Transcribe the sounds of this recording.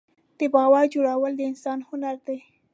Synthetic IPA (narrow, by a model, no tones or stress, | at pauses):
d̪̥əbɑwaɾd͡ʒoɽawəld̪əɪnsɑnhʊnaɾd̪aj